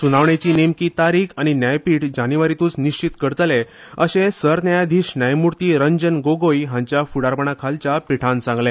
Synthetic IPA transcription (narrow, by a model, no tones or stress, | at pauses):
sunaʋɳat͡ɕiːnemkiːt̪aɾikʰañinjajpiːʈd͡ʑaniʋaɾit̪uːt͡sniɕt͡ɕit̪kəɾt̪le | əɕẽsəɾnjajd̪ʱiːɕnjajmuɾt̪iːɾəɲd͡ʑənɡoɡojɦãɲt͡ɕjafuɽaɾpəɳakʰalt͡ɕapiʈʰãnt͡sãŋɡlẽ